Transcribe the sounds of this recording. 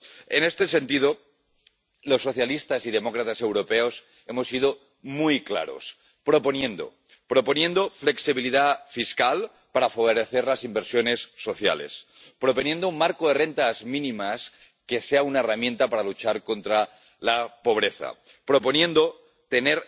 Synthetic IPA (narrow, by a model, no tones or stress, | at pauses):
e̞ne̞st̪e̞se̞nt̪ið̞o̞ | lo̞sːo̞θjalist̪asiðe̞mo̞kɾat̪ase̞wɾo̞pe̞o̞s | e̞mo̞sið̞o̞ | mujkla̰ɾo̞̰s | pɾo̞po̞njẽ̞nd̪o̞̰ | pɾo̞po̞nje̞nd̪o̞fle̞ksiβiliðafiskal | paɾafaβo̞ɾe̞θe̞ɾlasimbeɾsjo̞ne̞sːo̞θja̰le̞̰s | pɾo̞po̞njẽ̞nd̪oummaɾkoðe̞re̞nt̪azmĩnĩmas | ke̞se̞aunae̞ramjẽ̞nt̪apaɾalut͡ʃaɾko̞nt̪ɾa | lapo̞β̞ɾe̞θa̰ | pɾo̞po̞njẽ̞nd̪o | t̪e̞ne̞ɾ